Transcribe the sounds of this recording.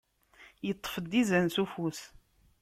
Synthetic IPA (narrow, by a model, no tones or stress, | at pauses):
jət̪ˤːfəd̪izænθufus